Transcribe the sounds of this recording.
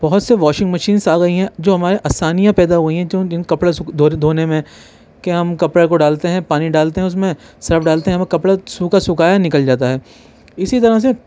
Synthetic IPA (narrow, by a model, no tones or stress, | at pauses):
b̥ɐɦʊt̪seʋaːʃɪ̃ŋɡmɐʃiːnsaːɡɐiɦɛ̃d͡ʒoːɦɐmaːɾeʔaːsaːnijãpɛːd̪aɦuiɦɛ̃d͡ʒõɪnkɐpɽasʊd̪ʱoːd̪ʱoːnemẽ | keɦɐmkɐpɽekoɖaːlt̪eɦɛ̃paːniɖaːlt̪eɦɛ̃ʊs̬mẽ | sɐɾfɖaːlt̪eɦɛ̃mẽkɐpɽasuːkasʊkaːjanɪkəld͡ʒaːt̪aɦɛː | ɪsit̪ɐɾəs̬e